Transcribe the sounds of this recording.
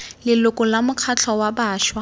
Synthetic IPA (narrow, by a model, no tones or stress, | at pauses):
lɪlʊkʼʊlamʊkʰat͡ɬʰɔwabaːʃwa